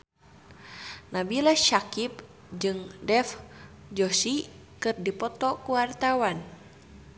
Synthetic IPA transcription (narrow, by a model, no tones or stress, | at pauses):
nabilaʃakip̚ | d͡ʒɨŋdɛf | d͡ʒɔsi | kɨrdipɔt̪ɔkuwart̪awan